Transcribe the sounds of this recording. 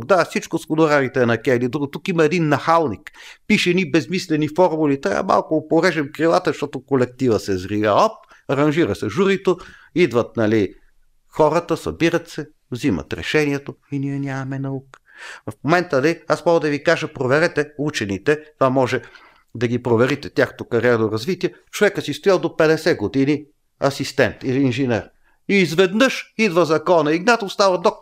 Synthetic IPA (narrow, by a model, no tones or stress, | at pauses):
d̪afsit͡ʃkʊskonoɾaɾit̪ɛnɐkʲɛilid̪ɾuɡot̪ukimɐɛd̪inːɐxalˠnikpiʃɛdnibɛzmislɛnifɔɾmulit̪ɾʲa̰və̰ma̰lˠkʊːpoɾɛʒɛmkɾilˠat̪əʃt̪ɔt̪okolɛk̚t̪ivəsɛzɾivʲjaɔp̚ | ɐɾɐnʒiɾəsɛʒuɾit̪oid̪vɐt̪̚nɐli | xɔɾɐt̪əsɐ̰biɾɐt̪sɛ | vzimɐ̰t̪ɾɛ̰ʃɛniɛt̪oiniɛnʲamɐmɛnɐukə̥fmomɛnt̪ənliasmɔəd̪ɐvikaʒəpɾovɛɾɛt̪ɛut͡ʃɛnit̪ɛt̪vamɔʒɛ | d̪ɐɡipɾovɛɾit̪ɛt̪ʲaxnət̪ʊkɐɾiɛɾnoɾɐzvit̪iɛ | t͡ʃovɛkəsist̪ʊjalˠd̪opɛd̪ɛsɛɡod̪ini | ɐsist̪ɛnt̪iliːnʒinɛɾ | iːzvɛd̪nɤʃid̪vɐzɐkɔnɐiɡnat̪ːst̪avɐd̪ɔk